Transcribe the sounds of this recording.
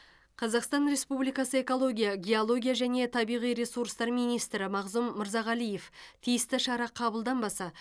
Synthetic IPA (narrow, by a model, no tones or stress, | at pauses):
qʰɑzɑqst̪ɑnɾe̞spublijkɑsəe̞ko̞lˠo̞ɡʲijɑɡʲe̞olˠo̞ɡʲijaʒæne̞t̪ʰɑbijʁijɾe̞suɾst̪ɑɾmijnijst̪ɾɪmɑʁzumːɪɾzɑʁælije̞ft̪ʰijɪst̪ɪʃɑɾɑqʰɑbəlˠd̪ɑnbɑsɑ